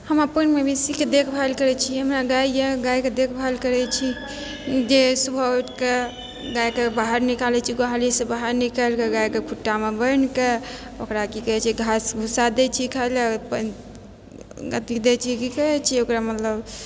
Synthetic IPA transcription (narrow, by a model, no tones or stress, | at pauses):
həmapənmebisiked̪ekʰbʱalkəɾɛt͡ʃʰiɦəmɾaɡaijeɡajked̪ekʰbʱalkəɾɛt͡ʃʰi | d͡ʒesubʱəʈke | ɡajkebaɦaɾnikalɛt͡ʃʰiɡoɦalisebaɦaɾnikalkeɡajkekʰuʈːamebənkeokɾakikəɦɛt͡ʃʰiɡʱasɡʱusad̪ɛt͡ʃʰikʰalpə | ɡət̪id̪et͡ʃʰikikəɛt͡ʃʰiokɾamət̪ləb